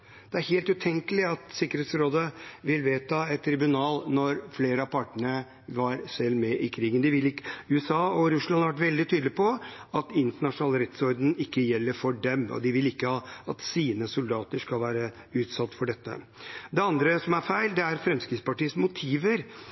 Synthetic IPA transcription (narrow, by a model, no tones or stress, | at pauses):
d̪̥ɛæɾheːlt̪ʉt̪ʰɛŋkəlɪɑt̪sɪkːəɾeːt̪sɾoːd̪əʋɪlʋeːt̪ʰɑɛt̪ʰːɾɪbʉnɑːlnɔɾfleːɾəɑpʰɑʈːəɳə | ʋɑɾsɛlːmɛʔɪkʰɾiːɡənd̪ɪʋɪlɪkːʉːɛsɑːɔɾʉslɑnɑɾʋæʈ̬ʋɛld̪ɪt̪ʰyːd̪lɪpɔɑt̪ɪnt̪əɳɑʂnɑːləɾɛt̪sɔɾd̪n̩ɪkːəjɛlːəɾfɔɖɛmɔ̰d̪ɪʋɪlɪkːəhɑːɑt̪siːnəsʊld̪ɑːt̪əʂkɑlʋæːɾə | ʉːt̪sɑt̪ːfɔɖɛt̪ːə̰ | d̪ɛɑnd̪ɾəsɔmæɾfæɪld̪ɛæɾfɾɛmskɾɪt̪spɑʈiːəsmʊt̪ʰiːʋəɾ